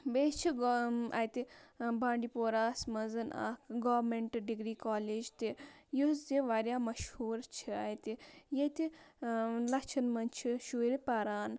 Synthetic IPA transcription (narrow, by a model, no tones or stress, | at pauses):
beːst͡ʃʰia̰ːjt̪ibaːɳɖipoːɾaːsmɐzɐna̰ːkɡoːʋɾmeɳʈɐɖiɡɾiːkaːleːd͡ʒt̪ijusziʋaːɾjaːmɐʃhuːɾt͡ʃʰiaːjt̪ijet̪i | lɐkt͡ʃʰɐnmɐnt͡ʃʰiʃuːɾipɐɾaːn